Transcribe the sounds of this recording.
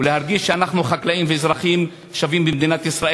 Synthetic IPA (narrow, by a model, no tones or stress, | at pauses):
ulehaʁɡiʃːeanaχnuχaklaimveezʁaχim | ʃavimbemd̪inat̪isʁae